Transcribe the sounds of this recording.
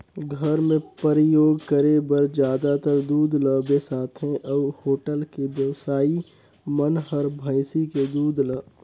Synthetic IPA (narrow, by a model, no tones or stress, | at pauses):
ɡʱəɾmẽpəɾɪjoːɡkəɾebəɾd͡ʒjaːd̪at̪əɾd̪uːd̪ləːbesaːt̪ʰɦɛ̃ʔɐhoːʈəlkeʋjəʋsaːi | mənɦəɾbʱəɪsiked̪uːd̪ləː